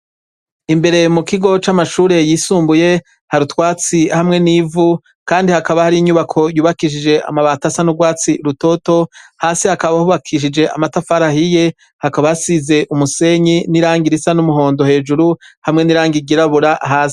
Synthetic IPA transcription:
imbe̞ɾe̞mukiɡo̞t͡ʃamaʃuːɾe̞jiːsuːmbuje̞ | haɾutwaːt͡sihamŋe̞niːvu | kaːndihakaβahaɾiɲuβakʰo̞juːβakiʃ̬id͡ʒe̞ʔa̰maβatasanuɡwaːt͡siɾuto̞to̞haːsihakaβahuβakʰiʃ̬id͡ʒe̞amatafaɾahije̞ | hakaβaasize̞ʔumuse̞ɲiniɾaːŋɡiɾisanumuɦo̞ːndo̞he̞ːd͡ʒuɾuhamŋe̞niɾaːŋɡiɡiɾaβuɾaʔaɦaːsi̥

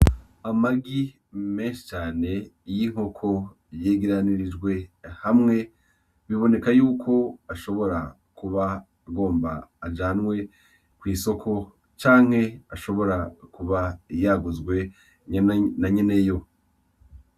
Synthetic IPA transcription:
amaɡi | me̞ːnʃi̥t͡ʃaːne̞jiŋ̥ho̞kʰo̞ | jeːɡiɾaniɾid͡ʒɡwe̞hamŋe̞ | βiβo̞ne̞kajuːkʰo̞aʃo̞βo̞ɾa | kuβa | ɡo̞ːmba̰ːd͡ʒaːnwe̞ | kwiːso̞kʰo̞ | t͡ʃaːŋ̥he̞aʃo̞βo̞ɾakuβajaɡuzɡwe̞ | ɲnaɲene̞jo̞

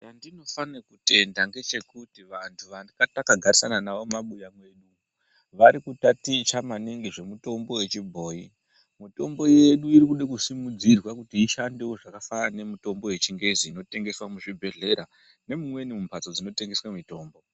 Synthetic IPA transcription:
t͡ʃandino̞fanekute̞ndaŋɡe̞t͡ʃe̞kutiʋantʰuʋandikatakaɡʱaɾisananaʋo̞maɓujamwe̞ɗu | ʋaɾikutatit͡ʃamaniŋɡiʐe̞muto̞mbo̞we̞t͡ʃibʱo̞ːji | muto̞mbo̞je̞ɗuiɾikuɗekusimud͡zirwakutiiʃandewoʐakafarane̞muto̞mbo̞we̞t͡ʃiŋɡe̞ziːno̞te̞ŋɡe̞swamuʐibʱe̞ɮe̞ɾa | ne̞mumwe̞nimumpat͡so̞d͡zino̞te̞ŋɡe̞swamito̞ːmbo̞

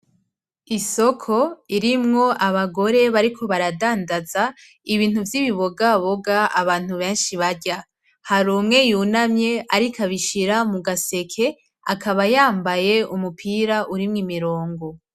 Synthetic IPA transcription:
iso̞kʰo̞iɾimŋo̞ʔaβaɡo̞ɾe̞βaɾikʰo̞βaɾadaːndaza | iβiːn̥huvjiβiβoɡaβoɡaaβaːn̥huβe̞ːnʃiβaɾɟa | haɾuːmŋe̞juːnamɲe̞aɾikʰaβiʃiɾamuɡase̞kʰe̞ | akʰaβajaːmbaje̞umupʰiːɾaʔuɾimŋimiɾo̞ːŋɡo̞

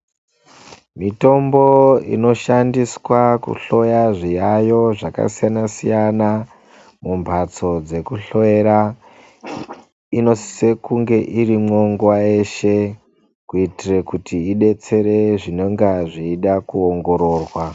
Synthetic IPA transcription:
mito̞mbo̞ḭno̞ʃandiswakṵɬo̞jaʐijajo̞ʐaka̰sijanasijana | mumbʱat͡so̞d͡ze̞kuɬo̞eɾa | ino̞sse̞kuŋɡe̞ʔirimŋoŋɡuwae̞ʃe̞ | kuitirekutʰiːɗe̞t͡se̞ɾe̞ʐino̞ŋɡaʐiːɗakuoŋɡo̞ɾo̞ːrwa

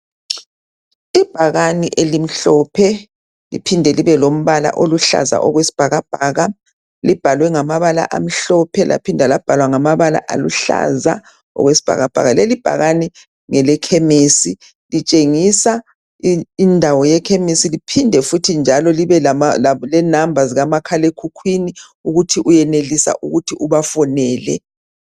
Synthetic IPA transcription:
ib̥ʱaɣaniʔelim̩ɬɔpʰɛ | lḭpʰindʱɛliβɛlom̩βala̰ʔoluɬa̰za̰ʔɔɣwesi̥b̥ʱaɣab̥ʱaːɣa | lib̥ʱalwɛŋamaβala̰ʔa̰m̩ɬɔpʰɛlʔa̰pʰindʱalab̥ʱalwaŋamaβala̰ʔa̰luɬa̰za̰ | ɔ̰ɣwesi̥b̥ʱa̰ɣab̥ʱa̰ɣalelib̥ʱa̰ɣani | ŋɛlɛkʰemeːsi | lit͡ʃʼeŋisa | indʱawɔjɛkʰemesilipʰindʱɛfutʰind͡ʒʱalɔliβɛlalɛnambʱaziɣamakʰalekʰukʰwini | uɣutʰiʔujɛnelisa̰ʔuɣutʰiʔuβafɔnɛːlɛ̰

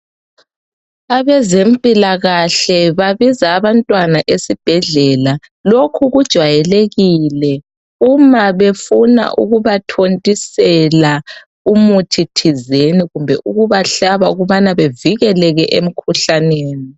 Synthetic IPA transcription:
aβɛzem̩pʼilaɣaɬɛβaβizaːβantʼwanaʔesib̥ʱɛɮɛla | lokʰuɣud̥ʒ̥ʱwajɛleɣilɛ | umaβefuna̰ʔṵɣuβatʰontʼisɛla | umutʰitʰizeniɣumbʱɛ̰ʔuɣuβaɬaβauɣuβanaβeviɣɛlɛɣɛʔem̩kʰuɬaneːni

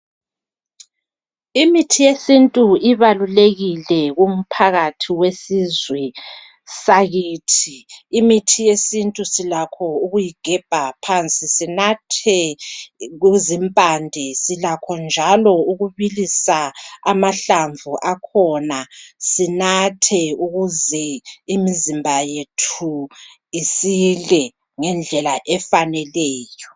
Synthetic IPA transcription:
imitʰijesintʼuiβaluleɣilɛɣum̩pʰaɣatʰiwesizwɛ | saɣiːtʰiːmitʰijesintʼusilakʰɔuɣujiɡ̥ʱɛb̥ʱapʰant͡sʼisinatʰɛ | ɣuzimpʼandʱɛsilakʰɔnd͡ʒʱalɔuɣuβilisaa̰maɬaɱvʱuʔakʰɔnasinatʰɛuɣuzɛimizimbʱajetʰu | isilɛ | ŋɛnd͡ɮʱɛlaʔɛfanɛlɛːjɔ

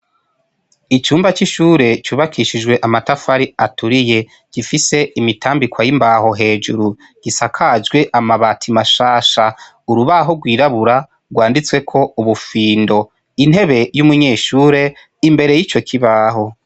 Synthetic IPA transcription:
it͡ʃuːmbat͡ʃiʃuːɾe̞t͡ʃuːβakʰiʃid͡ʒwe̞ʔamatafaɾiatuɾije̞ | ɡ̥ifise̞imitʰaːmbikwajimbaho̞ɦe̞ːd͡ʒuɾu | ɡ̥isakʰad͡ʒɡwe̞ʔamaβatʰimaʃaːʃa | uɾuβaɦoɡwiːɾaβuɾa | ɡwaːndit͡swe̞kʰo̞uβufiːndo̞ | in̥e̞βe̞jumuɲe̞ːʃuːɾe̞ | imbe̞ɾe̞jit͡ʃo̞kʰiβaɦo̞

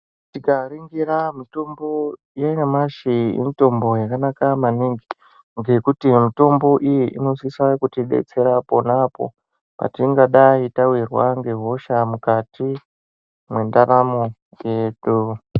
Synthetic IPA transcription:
tikariŋɡiramito̞mbo̞ | jainamaʃiḛmito̞mbo̞jakanakamaniŋɡi | ŋɡe̞kutimito̞mbo̞ʔijiʔino̞sisakutiɗe̞̰t͡se̞ɾapo̞napo̰ | pa̰tiŋɡaɗaitawirwa̰ŋɡe̞ɦo̞ʃamukati | mwe̞ndaɾamo | je̞ɗu

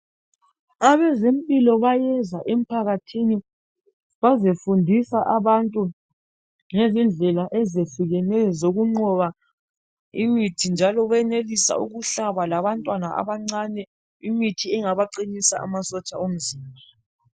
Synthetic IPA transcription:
aβɛzempʼilɔβajɛzaʔem̩pʰaɣatʰini | βazefundʱisaʔaβantʼu | ŋezind͡ɮʱɛlaʔɛzefiɣɛnɛzoɣuŋ͡ǀɔβa | imitʰind͡ʒʱalɔβɛnelisa̰ṵɣuɬaβalaβantʼwanaa̰βaŋ͡ǀanɛ | imitʰiɛŋaβaǃinisa̰a̰masɔt͡ʃʼaom̩ziːmbʱa

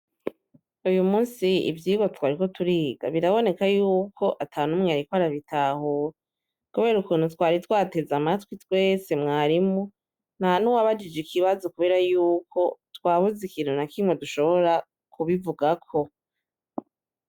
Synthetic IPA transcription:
ujumuːnsiḭvjiːɡwatwaːɾiko̞tuɾiːɡa̰βiɾaβo̞ne̞kajuːkʰo̞ʔatʰaːnumŋeaɾikwaɾaβitaɦuɾa | kuβe̞ːɾukuːnutwaːɾitwaːte̞zamatwitwe̞ːse̞mŋaːɾimu | n̥anuwaβad͡ʒid͡ʒikʰiβazo̞kuβe̞ːɾajuːkʰo̞twaːβuzikiːnhunakimŋwoduʃo̞βo̞ɾa | kʰuβivuɡakʰo̞

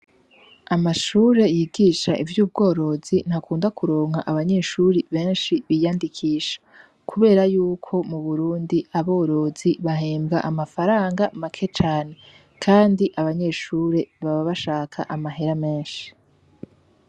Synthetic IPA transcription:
amaʃuːɾe̞jiɡiːʃaʔivjuːb̚ɡo̞ːɾo̞zin̥hakuːndakuɾo̞ːŋha̰ʔaβaɲe̞ʃuɾiβe̞ːnʃiβijaːndikʰiːʃḁ | kʰuβe̞ːɾajuːkʰo̞muβuɾuːndiaβo̞ːɾo̞ziβaɦeːmbɡaʔamafaɾaːŋɡamakʰe̞t͡ʃaːne̞ | kʰaːndiʔaβaɲe̞ːʃuːɾe̞βaβaβaʃaːkʰa̰ʔamaɦeɾame̞ːnʃi̥

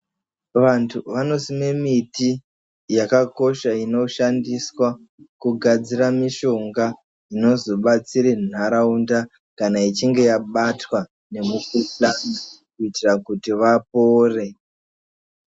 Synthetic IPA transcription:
ʋantʰuʋano̞sime̞miti | jakako̞ʃaino̞ʃandiswa | kuɡʱad͡ziɾamiʃo̞ŋɡa | ino̞zo̞ɓat͡siɾen̤aɾaunda | kanait͡ʃiŋɡe̞jaɓatwa | ne̞mukuplanakuitirakutiʋapoːre̞

